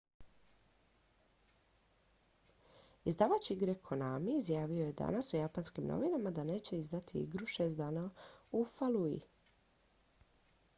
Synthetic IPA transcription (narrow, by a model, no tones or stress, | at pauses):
izd̪aːʋat͡ɕiɡɾekʰonamiːzjaːʋio̞je̞d̪a̰nasujapanskimno̞̰ʋinamad̪ane̞ːt͡ɕe̞izd̪at̪ʰiḭɡɾuʃe̞ːst̪d̪aːnaufalˠuḭ